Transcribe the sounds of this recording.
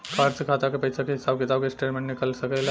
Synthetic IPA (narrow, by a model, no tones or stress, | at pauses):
kʰaɾd͡ʒkʰat̪akepəjt͡ʃʰakeɦisabkit̪abkesʈeʈmẽɳʈnikəlsəkəl